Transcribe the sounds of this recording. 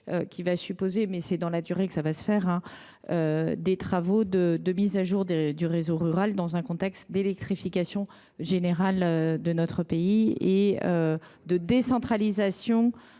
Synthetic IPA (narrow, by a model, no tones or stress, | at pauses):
økʲivasypozemɛsɛd̪ɑ̃lad̪yʁekə̥savasə̥fɛʁɛ̃ | ød̪et̪χavod̪əd̪əmizaʒuʁd̪ed̪yʁezoʁyʁald̪ɑ̃zɛ̃kɔ̃t̪ɛkst̪d̪elɛk̚t̪χifikasjɔ̃ | ʒeneʁalød̪ənɔt̪χəpeieø | d̪əd̪esɑ̃t̪χalizasjɔ̃